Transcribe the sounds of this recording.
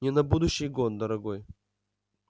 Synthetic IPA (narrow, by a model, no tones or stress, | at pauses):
nʲɪnɐbud̪ʊɕːɪjɡond̪ɐɾɐɡoj